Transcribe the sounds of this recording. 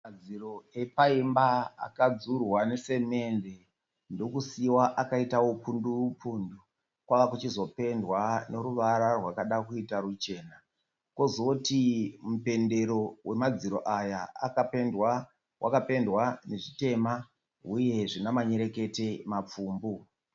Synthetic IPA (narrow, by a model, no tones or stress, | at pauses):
mad͡ziro̞e̞paimbaa̰kad͡zurwanese̞me̞nde̞ | ndo̞kusiwaʔakaitawopundupuːndu | kwaʋakut͡ʃizo̞pe̞ndwane̞ɾuʋaɾarwakaɗakuitaɾut͡ʃe̞ːna | kwo̞zotimupe̞nde̞ɾo̞we̞mad͡ziɾo̞ʔajaa̰kapendwa | wʔakape̞ndwane̞ʐite̞ma | ɦuje̞ʐinamaɲe̞ɾe̞ke̞te̞map͡fuːmbu